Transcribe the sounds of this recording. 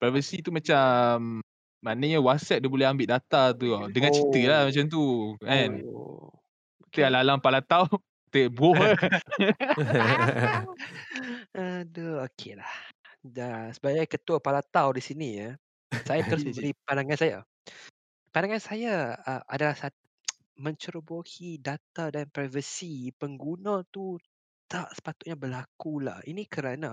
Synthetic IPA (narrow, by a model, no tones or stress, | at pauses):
pɾavəsit̪umat͡ʃamː | anəɲawat̚sɛt̚diabolɛɦambɪtʔ̚dat̪at̪̬udəŋãnt͡ʃit̪əlahmat͡ʃamt̪̬uʔɛn | t̪əalalaŋpalat̪aw | t̪əbuɔ | əduokʰelah | dasəbaɡajkət̪uapalat̪awdisinija | sajaəɾʊs̬mə̃mbəɾipandaŋansaja̰ | pandaŋansajaəa̰dalahsat̪ | mə̃ɲt͡ʃəɾəbohidat̪adanpɾajvəsipəŋɡunãt̪u | t̪aʔsə̥pat̪ʊt̪̚ɲabəlakula̰hinĩkəɾana